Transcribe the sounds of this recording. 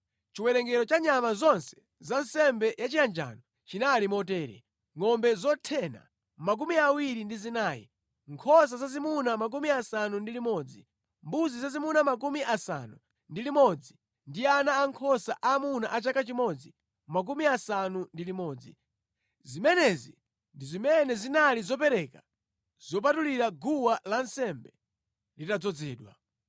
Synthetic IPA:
t͡ʃiwɛnɛŋɡɛɾɔt͡ʃaɲamazɔnsɛ̥ | zansɛmbɛjat͡ʃijand͡ʒa̰ːnɔ | t͡ʃinalimɔtɛːɾɛ̰ | ŋɔmbɛzɔtʰɛna̰ | mak̬umiawiɾindizinaːjḭ | ŋkʰɔs̬azazimunamak̬umiasanundilimɔd͡zi | mbuzizazimunamak̬umiʔasa̰nu | ndilimɔd͡zi | ndianaːŋkʰɔsaʔamunaʔat͡ʃakat͡ʃimɔd͡zi | mak̬umiasanundilimɔːd͡zḭ | zimɛnɛzḭ | ndizimɛnɛzinalizɔpɛɾɛka | z̥ɔp̬atuliɾaɡuwalansɛmbɛ | litad͡zɔd͡zɛːɗwa̰

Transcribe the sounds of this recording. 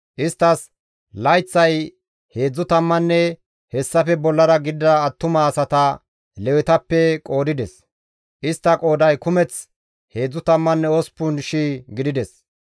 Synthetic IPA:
ʔɪst̪ːɐs | lɐjt͡sːɐj | he̞ːd͡zːʊt̪ɐmːɐnːɛ | hɛsːɐfɛbɔlːɐɾɐɡɪd̪ːɐːt̪ːʊmɐːsɐt̪ɐ | lɛwɪt̪ɐpːɛkʼo̞ːd̪ɪd̪ɛs | ʔɪst̪ːɐkʼo̞ːd̪ɐjkʊmɛt͡s | he̞ːd͡zːʊt̪ɐmːɐnːɛɔspːʊnʃiːɡɪd̪ɪd̪ɛs

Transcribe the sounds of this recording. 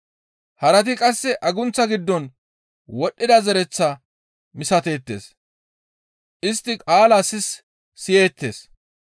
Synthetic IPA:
hɐɾɐt̪̬ɪkʼɐsːɛʔɐɡʊnt͡sːɐɡɪd̪ːɔn | wɔɗːɪd̪ɐzɛɾɛt͡sːɐ | mɪsɐt̪e̞ːt̪ːe̞̰ːs | ʔɪst̪ːɪkʼaːlaːsɪsː | ɪjeːt̪ːe̞ːs

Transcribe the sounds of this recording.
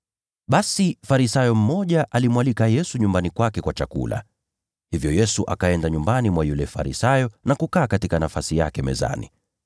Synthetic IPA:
ɓasifaɾisajɔm̩mɔʄaʔalimwalikajɛsuɲumbanikwakɛkwat͡ʃakṵla̰ | hivjɔjɛsuʔa̰kaɛndaɲumbanimwajulɛfa̰ɾḭsajɔnakukaːkatikanafasija̰kɛmɛ̰za̰ni

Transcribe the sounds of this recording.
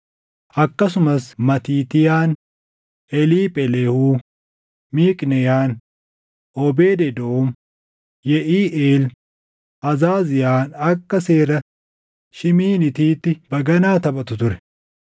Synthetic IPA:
ʔɐkːɐsʊmɐsmɐt̪iːt̪ɪjaːn | ʔɛliːpʼɛlehuː | miːkʼnɛjaːn | ʔɔbeːd̪ɛd̪oom | jɛʔiːʔeːl | ʔɐzaːzɪjaːnɐkːɐse̞ːɾɐ | ʃɪmiːnɪt̪iːt̪ːɪb̥ɐɡɐnaːt̪ɐbʼɐt̪ʊt̪ʊɾɛ̥

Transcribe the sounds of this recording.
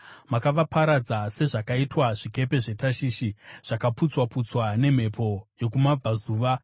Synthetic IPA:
makaʋapaɾad͡zase̞ʐakaitwaʐ̥ike̞pe̞ʐe̞taʃiːʃiʐ̥akaput͡swaput͡swane̞m̤e̞pʰo̞jo̞kumab͡vazuːʋa

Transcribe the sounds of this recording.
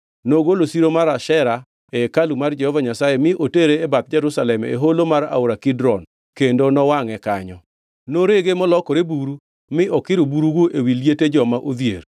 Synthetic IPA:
noɡolosiɾomaɾaʃɛɾa | ɛkalumard͡ʒɛhɔvaɲasajemɪʔoteɾeːbat̪̚d͡ʒɛɾusalɛmḛɦolomaɾa̰oɾakɪdɾɔn | kendonɔwaŋɛkaɲɔ | noɾeɡemɔlɔkɔɾebuɾu | mɪʔɔkɪɾubuɾuɡoʔewiljeted͡ʒɔmaʔod̪jḛɾ

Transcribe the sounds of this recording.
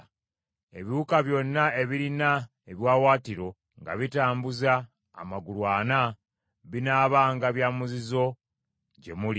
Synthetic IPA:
e̞βiukaβjo̞nːae̞βiɾina | eβjwaːwaːtiɾo̞ | ŋɡa̰βitaːmbuza̰ː | maɡulwaːna | βinaːβaːŋɡaβjaːmuzizo̞ | ɟe̞muli

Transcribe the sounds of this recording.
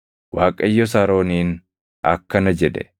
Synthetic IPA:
waːkʼɐjːɔs̬aːɾo̞ːniːn | ɐ̰kːɐnɐd͡ʒɛᶑ̪ɛ̰

